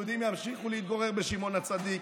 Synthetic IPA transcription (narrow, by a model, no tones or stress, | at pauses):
ud̪imjamʃiχuleit̪̚ɡoʁeʁbeʃimo̞nat͡sad̪ik